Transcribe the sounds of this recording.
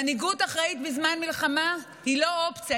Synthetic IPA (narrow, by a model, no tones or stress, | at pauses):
niɡutaχʁait̪bizmanmilχama | hilo̞opt͡sa